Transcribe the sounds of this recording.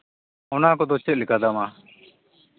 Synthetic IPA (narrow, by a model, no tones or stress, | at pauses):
ɔnakɔd̪ɔt͡ʃɛt̪̚lɛkad̪ama